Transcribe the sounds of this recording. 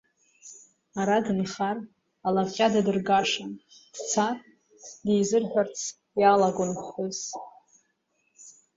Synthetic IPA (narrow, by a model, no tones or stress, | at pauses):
aɾadɨnχar | alaχʲʼadadɨrɡaʂan | d̥t͡sʰarʼ | dejzɨrħʷᶣart͡sʰ | jalaɡʷʊnχχʊz